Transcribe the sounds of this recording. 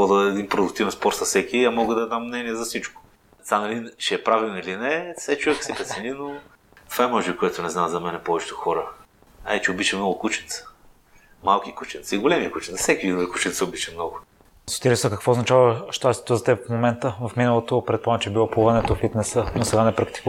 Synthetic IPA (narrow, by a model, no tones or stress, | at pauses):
ɔd̪ɐd̪ɛd̪inpɾod̪ʊk̚t̪ivɛnspɔɾt̪sɐsɛkʲiɐmɔɡəd̪ɐd̪amːnɛniɛzɐsit͡ʃko̥ | t̪anɐlint͡ʃɛːpɾavilˠnilinɛsɛt͡ʃuvɛkə̥sipɾɛt̪sɛnino | t̪o̥vaɛmɔʒɛbikoɛt̪ʊnɛznamzɐmɛnɛpɔvɛt͡ʃɛ̥t̪ʊxɔɾə | a̰t͡ʃɛobit͡ʃɛmnɔɡʊkut͡ʃɛnt̪sə̥ | malˠkikut͡ʃɛnt̪səiɡolɛmiəkut͡ʃɛnsə̥sɛkiid̪ovikut͡ʃɛnt̪səʊbit͡ʃɛmnɔɡʊ | sit̪ɛɾɛsəkɐkvoznɐt͡ʃavəʃt̪ast̪t̪ozɐt̪ɛpfmomɛnt̪əvɐfminəlˠot̪opɾɛt̪̚pɔmɛt͡ʃɛbilˠɔpuvɐnɛt̪ofit̪nɛsənosɛɡanɛpɾɐkt̪i̥k